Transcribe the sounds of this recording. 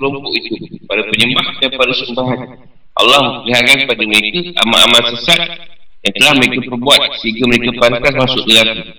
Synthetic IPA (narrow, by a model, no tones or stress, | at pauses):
kəlɔmpɔʔit̪upadapəɲəmbahdanpadasəmbaɦan | ʔa̰lːɑhməpəliɦaɾankəpadaməɾekaʔa̰ma̰ʔamalsəsat̪̚jaŋt̪əlahməɾekapərbuat̪̚səiŋɡaməɾekapant̪asmasʊʔbəlaku